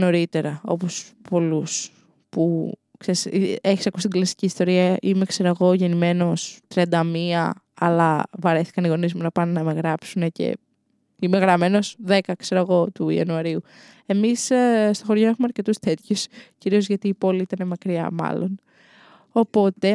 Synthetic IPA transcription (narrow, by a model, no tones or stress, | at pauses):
no̞ɾit̪e̞ɾɐo̞̰po̞spo̞lus | pu | kseɾiseçisɐkusi̥t̪iɡlɐsi̥ciːst̪o̞ɾiɐʔime̞kse̞ɾɐɣo̞ʝe̞nime̞no̞st̪ɾiɐnd̪ɐmiɐ | ɐ̰lɐvɐɾeθi̥kɐniɣo̞nizmunɐpɐnenɐme̞ɣɾɐpsune̞cḛ | ime̞ɣɾɐme̞no̞sðe̞kɐkse̞ɾɐɣo̞t̪uḭɐ̰nuɐɾiu | e̞misst̪o̞xo̞ɾʝo̞e̞xumeɐɾce̞t̪ust̪e̞t̪çusciɾiozʝɐt̪iːpo̞liit̪ɐne̞mɐkɾiɐ̰mɐ̰lo̞̰n | o̞po̞t̪e̞